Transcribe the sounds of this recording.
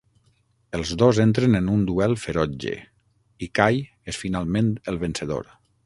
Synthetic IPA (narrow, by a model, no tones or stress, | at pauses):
əlˠzðozent̪ɾenenund̪uɛlˠfeɾɔd͡ʒḛ | ikaj | esfinalˠment̪əlˠβənseðo̰ɾ